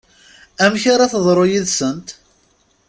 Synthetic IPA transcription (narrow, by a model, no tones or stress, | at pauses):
æmçaɾaθəðˤɾˤojiðsənt̪